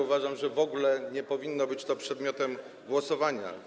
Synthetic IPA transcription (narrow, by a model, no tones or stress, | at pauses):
uvaʐamʐɛvɔɡulɛɲɛpɔvʲinːɔbɘt͡ɕt̪ɔpʂɛd̪mʲjɔt̪ɛm | ɡwɔsɔvaɲa̰